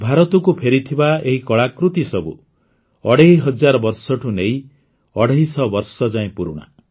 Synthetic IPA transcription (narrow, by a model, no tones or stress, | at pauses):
bʱaɾɔt̪ɔkupʰeɾit̪ʰibaeɦikɔɭakɾut̪isɔbṵ | ɔɽeɦjɦʌd͡ʒaɾɔbɔɾsɔʈʰunej | ɔɽeɦisɔbɔɾsɔd͡ʒaẽpuɾuɽ̃a̰